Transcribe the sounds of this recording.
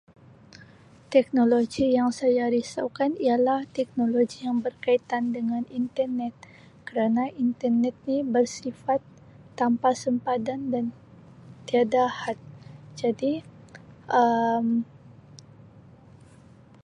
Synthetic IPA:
t̪ɛk̚noloɡijaŋsajaɾisa̰wkanialaht̪ɛk̚noloɡijaŋbərkait̪andəŋanint̪ərnɛt̪̚ | kəɾanaʔint̪ərnɛt̪̚nibərsifat̪ː | ampasəmpadandan | t̪iadahat̪̚d͡ʒadi | ʔəm

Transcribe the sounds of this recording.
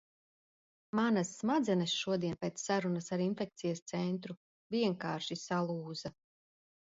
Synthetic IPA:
manasːmad̪zɛnɛsʃuɔd̪iɛnpeːt̪sːaɾunasaɾinfɛk̚t̪sijast̪sɛnt̪ɾu | viɛŋkaːɾʃisalˠuːza

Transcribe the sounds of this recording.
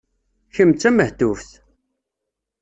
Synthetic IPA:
çəmt͡sːæməht̪ufθ

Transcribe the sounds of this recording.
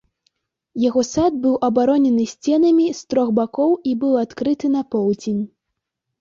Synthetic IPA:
jaɣɔsad̪̚bɨwʔɐbaɾɔnʲɛnɨsʲt͡sʲɛnɐmʲist̪ɾɔɣbakɔwibɨwat̪kɾɨt̪ɨnɐpɔwd͡zʲenʲ

